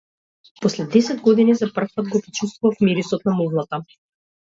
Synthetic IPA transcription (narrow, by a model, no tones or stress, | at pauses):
pɔslɛd̪ɛsɛd̪ɡɔd̪inizapr̩fpad̪̚ɡɔpɾit͡ʃust̪vuvafmiɾisɔt̪̚namuvlˠat̪a